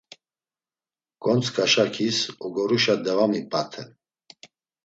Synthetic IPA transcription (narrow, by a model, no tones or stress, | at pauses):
kʼɔnt͡sʰkʰʼaʃakʰisɔɡɔɾuʃad̪ɛvamipʼat̪ʰɛ